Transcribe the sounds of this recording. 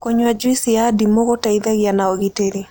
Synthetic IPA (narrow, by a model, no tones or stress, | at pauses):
koɲwad͡ʒwisiadimoɣotaiðaɣɪanaɔɣiteɾe